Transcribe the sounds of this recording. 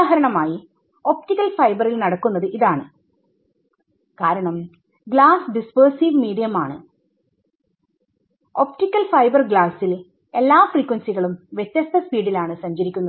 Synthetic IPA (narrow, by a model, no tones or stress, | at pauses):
ɦɐɾɐɳɐmaːji | o̞p̚tikːɐlfɐjbɐrilnɐɽɐkːunːɐðɨʔiðaːɳɨ | kaːɾɐɳɐm | ɡɭaːsɖispɐːrsiːʋmiːɽijɐmaːɳɨ | o̞p̚tikːɐlfɐjbɐrɡɭaːsːil | e̞lːaːfriːkːwɐnsiɣɐɭumʋjet̪jɐst̪ʰɐspiːɖilaːɳɨsɐɲd͡ʑɐɾikʲːunːɐðɨ